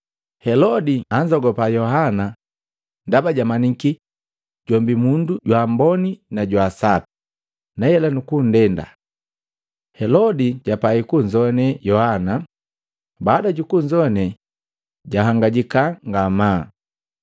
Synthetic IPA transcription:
hɛlɔdiaɲd͡ʒɔɡɔpajɔhana | ndabaɟamaniki | ɟɔmbimunduɟwambɔninaɟwasapi̥ | najɛlanukun̩dɛnda̰ | hɛlɔdiɟapaikuɲd͡ʒɔnɛjɔhana | baːdaɟukuɲd͡ʒɔnɛ | ɟaɦaŋɡaɟikaŋɡamaː

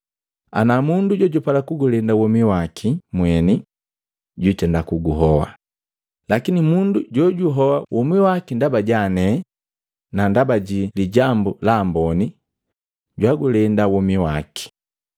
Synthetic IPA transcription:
a̰namunduɟɔɟupalakuɡulɛndawɔmiwakʰimwɛni | ɟutɛndakuɡuɦɔwa̰ | lakinimunduɟɔɟuɦɔwawʔɔmiwakindabaɟanɛ | nandabaɟiliɟambulambɔni | ɟwaɡulɛndawɔmiwaki̥

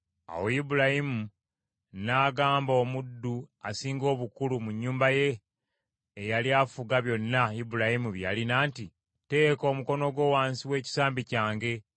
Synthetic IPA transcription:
a̰woibuɾahimu | naːɡaːmbo̞mudːuasiːŋɡo̞ːβukulumuɲːuːmbaje̞ː | jaliaːfuɡaβjo̞nːaibuɾahimuβja̰linaːnti | te̞ːko̞ːmuko̞no̞ɡwo̞ːwaːnsiwe̞ːci̥saːmbicaːŋɡe̞

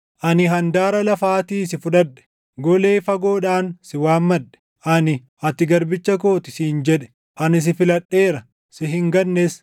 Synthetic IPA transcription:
ʔɐnɪɦɐnd̪aːɾɐlɐfaːt̪iːsɪfʊᶑɐᶑɛ̥ | ɡɔle̞ːfɐɡo̞ːᶑaːnsɪwaːmːɐᶑɛ̥ | ʔɐnɪ | ɐt̪ɪɡɐɾbɪt͡ʃːɐkoːt̪ɪsiːnd͡ʒɛᶑɛ̥ | ʔɐnɪs̬ɪfɪlɐɗːe̞ːɾɐ | sɪɦɪŋɡɐnːes

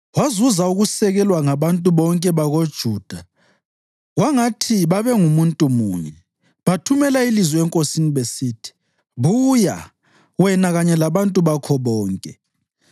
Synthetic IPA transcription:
wazuzauɣusɛɣɛlwaŋaβantʼuβɔŋkʼɛβaɣod̥ʒ̥ʱuːd̥ʱa | ɣwaŋatʰiβaβɛŋumuntʼumuːɲɛ | βatʰumɛlailizwɔɛŋkʼosiniβesitʰi̥ | βuːja̰ | wɛnaɣaɲɛlaβantʼuβakʰɔβɔːŋkʼɛ

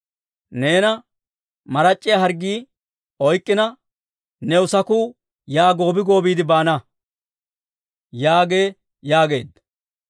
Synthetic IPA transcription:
ne̞ːnɐ | mɐɾɐt͡ʃʼːɪjɐɦɐɾɡiː | ɔjkʼːɪnɐ | nɛʊsɐkuː | jaːɡo̞ːbɪɡo̞ːbiːd̪ɪbaːnɐ | jaːɡe̞ː | jaːɡe̞̰ːd̪

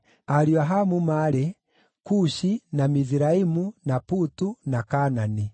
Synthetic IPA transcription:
aɾiaɦamumaɾɛ | kuʃinamiziɾaimunaputunakanani

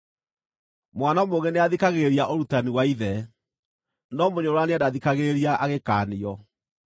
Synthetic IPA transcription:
mwanamoɣeneaðikaɣeɾiaʔoɾutaniwaiðɛ | nɔmoɲoɾwaneadaðikaɣeɾiaʔaɣekaːniɔ

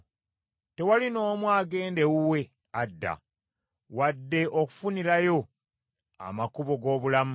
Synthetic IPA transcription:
te̞walino̞ːmwaːɡe̞ːnde̞wuwe̞ | adːa̰ | wadːe̞ʔoku̥funiɾajo̞ | a̰makuβo̞ɡo̞ːβulam

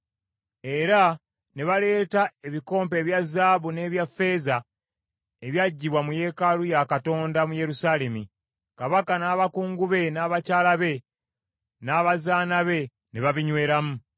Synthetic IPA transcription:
e̞ɾa | ne̞βale̞ːtae̞βiko̞ːmpe̞ːβjazːaːβune̞ːβjafe̞za | eβjaɟːiβwamuje̞ːkalujakato̞ːndamuje̞ɾusaːle̞mi | kaβakanaːβakuːŋɡuβe̞naːβacaːlaβe̞ | naːβazaːnaβe̞ | neβaβiɲwe̞ːɾamu

